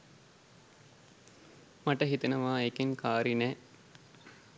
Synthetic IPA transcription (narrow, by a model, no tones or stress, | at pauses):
maʈəɦit̪enəʋaːekeŋkʰaːɾinɛ